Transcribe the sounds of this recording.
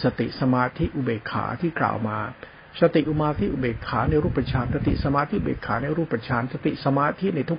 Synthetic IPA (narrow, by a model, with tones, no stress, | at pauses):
sa˧t̪ḭ˨˩ʔsa˧maː˧t̪ʰi˦˥ʔu˨˧beː˨˩kʰːa̰ː˩˦t̪ʰiː˥˩kla̰ː˨˩wmaː˧ | sa˧t̪i˨˩ʔu˧maː˧t̪ʰi˦˥ʔu˨˩beː˨˩kʰːaː˩˦na˧jɾuː˥˩pɾa˧t͡ɕʰaː˧nsa˧t̪ḭ˨˩ʔsa˧maː˧t̪ʰi˦˥ʔu˧˨bḛː˨˩kʰːa̰ː˩˦na˧jɾuː˥˩pːɾa˧t͡ɕʰaː˧nsa˧t̪ḭ˨˩ʔsa˧maː˧t̪ʰi˦˥na˧jt̪ʰu˦˥˩